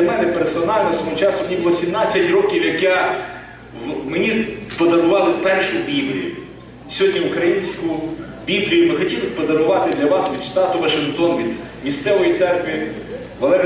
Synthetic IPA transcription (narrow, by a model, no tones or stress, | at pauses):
ɐmɛnɛpersɔnɑlʲnɔsɔɔɦɔt͡ʃɑsʊmʲnʲibʊlˠɔsʲimnɑt͡sʲːɐtʲrɔkʲiwjɐkja | menʲipɔd̪ɐnʊʋɑlˠɪpɛrʃʊbʲiblʲijʊ | sʲɔɦɔdʲnʲiʊkɾɐjinʲsʲkʊ | bʲiblʲijʊmɪxɔtʲilˠɪpɔd̪ɐɾʊʋɑt̪ɪd̪lʲɐʋɑsʋʲid̪st̪ɑt̪ʊʋɐʃɪnkt̪ɔnʋʲid̪ | mʲist̪sɛʋɔjit̪sɛrkʋʲi | ʋɐlˠɛɾ